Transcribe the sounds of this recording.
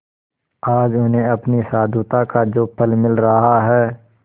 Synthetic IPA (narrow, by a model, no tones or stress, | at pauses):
aːd͡ʒʊnẽɐpnisaːd̪ut̪akad͡ʒoːpʰəlmɪlɾɐɦaɦɛː